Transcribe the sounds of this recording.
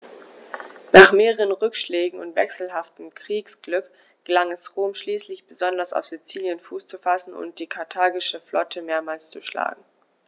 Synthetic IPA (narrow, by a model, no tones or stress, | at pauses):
naːχmeːʁəʁənʁʏkʃleːɡŋ̩ʊ̰ntv̥ɛksl̩ɦaftəm̩kʁ̥iːksɡ̥lʏk | ɡ̥əlaŋɛsʁoːmʃliːslɪçb̥əzɔndɐsa̰ʊfz̥it͡siːljənfuːst͡sufasn̩ʊ̰nt̚d̥iːkʰaɐtʰaːɡɪʃəflʔɔtʰəmeːɐmaːlst͡suʃla̰ːɡŋ̩